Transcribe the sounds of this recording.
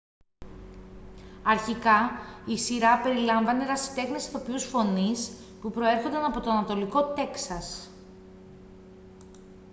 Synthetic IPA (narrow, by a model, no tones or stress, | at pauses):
ɐɾçikɐisiɾɐpe̞ɾilɐɱvɐne̞ɾɐsi̥t̪e̞xnesθopiusfo̞nis | pupɾo̞e̞ɾxo̞nd̪ɐnɐpo̞t̪oɐnɐt̪o̞liko̞t̪e̞ksɐs